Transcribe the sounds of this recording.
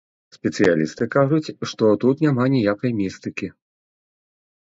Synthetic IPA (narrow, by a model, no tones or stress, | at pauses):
sʲpʲɛt̪sɨjalʲist̪ɨkaʐut͡sʲʂt̪ɔt̪ut̪nʲamanʲijakɐjmʲist̪ɨkʲi